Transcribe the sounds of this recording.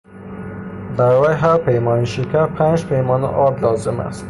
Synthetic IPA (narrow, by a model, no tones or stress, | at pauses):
bæɾɒjɦæɾpʰejmɒniʃekʰʲæɾpʰænd͡ʒpʰejmɒn̰ʔɒd̪lɒːzɪmæ̰st̪